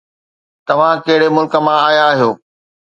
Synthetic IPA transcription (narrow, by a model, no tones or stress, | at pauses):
t̪ɐʋ̤ãkɐɦɪɽemʊlkə̆mãaːijãːɦijoː